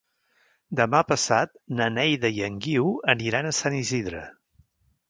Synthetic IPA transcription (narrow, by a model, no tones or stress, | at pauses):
d̪əmapəsat̪̚nənɛjðəjəŋɡiwəniɾanəsaniziðɾə̰